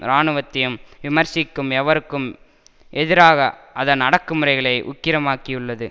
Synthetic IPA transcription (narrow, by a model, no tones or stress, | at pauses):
ɾaːnɯʋɐt̪ːɪjɯmʋɪmɐɾsɪkːɯmɛʋɐɾɯkːɯm | ʔɛðɪɾaːɣɐʔɐðɐnɐɽɐkːɯmɯɾɐɪɣɐɭɐɪʔʊ̰kːɪɾɐmaːkɪjɯɭːɐðɯ